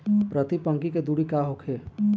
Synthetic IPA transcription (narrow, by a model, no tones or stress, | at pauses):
pɾət̪ipəŋkiked̪uɽikaɦokʰe